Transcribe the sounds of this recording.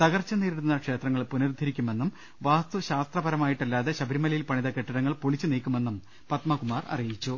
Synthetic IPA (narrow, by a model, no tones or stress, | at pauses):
t̪ɐɣɐrt͡ɕːɐniːɾiɽununːɐkʂe̞ːt̪rɐŋːɐɭpunird̪ʱɐɾikʲːume̞nːum | ʋaːst̪uɕaːst̪rɐbɐɾɐmaːjiʈːɐlːaːðe̞ɕɐbʱɐɾimɐlɐjilpɐɳiðɐkeʈːɐɾɐŋːɐɭpoɭit͡ɕːuniːkʲːume̞nːum | pɐt̪mɐkumaːrɐ̰rijit͡ɕːu